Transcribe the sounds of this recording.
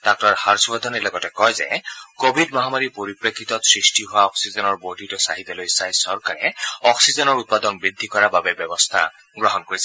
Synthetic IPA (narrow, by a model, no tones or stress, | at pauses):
tak̚taɹhaɹsubad̪ʱɔnilɔɡɔtɛkɔjzɛ̰kobʱidmɔɦamaɹipoɹipɹekʰːit̪ɔsɹistiɦoaɔksizɔnɔɹboditɔsaɦit̪ɛlojsajsɔɹkaɹɛɔksizɔnɔɹut̪̚pad̪ɔnbɹid̪ʱːikɔɹababɛbɛbɔst̪ʰa̰ | ɡɹɔɦɔnkoɹisɛ